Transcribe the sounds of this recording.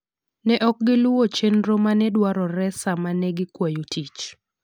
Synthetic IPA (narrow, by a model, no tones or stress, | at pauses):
nɛʔɔk̚ɡɪlʊwot͡ʃenɾomanɛdwaɾɔɾɛsamanɛɡɪkwajutʰit͡ʃ